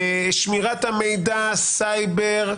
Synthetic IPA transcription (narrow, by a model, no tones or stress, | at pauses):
ʃmiʁat̪hamejd̪asajbeʁ